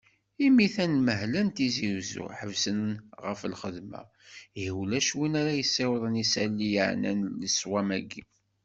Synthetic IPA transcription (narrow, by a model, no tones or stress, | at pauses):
imiθænməɦlænt̪iziwzṵħəvsənnʁəfəlχəðmæ̰ | hiwlæʃwinæɾæjəsːewðˤənisælːijəʕnæ̰nləswæmæɡi